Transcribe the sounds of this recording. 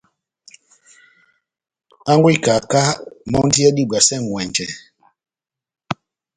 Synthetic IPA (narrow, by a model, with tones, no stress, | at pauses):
a˦ŋɡwi˦˨ka˨ka˦mɔ˦n˦di˦ɛ˦di˦˨ɡ͡ba˨sɛ˦˨ŋ˨wɛ˨nd͡ʒɛ˨